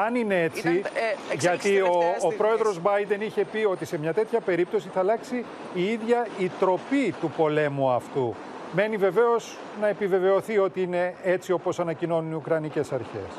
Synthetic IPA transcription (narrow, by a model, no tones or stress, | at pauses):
ɐnine̞et͡siʝɐt̪ioːpɾo̞e̞ðɾo̞zbɐjd̪e̞niçe̞pio̞t̪ise̞mɲɐt̪e̞t̪çɐpe̞ɾip̚t̪o̞siθɐlɐksi | iiðʝɐit̪ɾo̞pit̪upo̞le̞muɐft̪u | me̞nive̞ve̞o̞s | nɐe̞pive̞ve̞o̞θio̞t̪iine̞et͡sio̞po̞sɐnɐcino̞nuniukɾɐnice̞sɐɾçe̞̰s